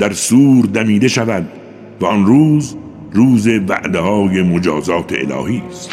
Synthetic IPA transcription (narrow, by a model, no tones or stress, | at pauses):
d̪æɾsuːɾd̪æmiːd̪e̞ʃævæd̪ | væɔnruːz | ruːze̞væ̰ʔd̪ehɒːje̞mod͡ʒɒːzɒːt̪ʰeḛlɒ̰ːhiːstt̪